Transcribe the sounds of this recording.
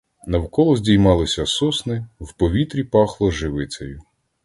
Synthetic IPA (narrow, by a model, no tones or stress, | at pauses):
nɐwkɔlˠɔzʲdʲijmɑlˠɪsʲɐsɔsnɪwpɔʋʲit̪ɾʲipɑxlˠɔʒɪʋɪt͡sʲɐjʊ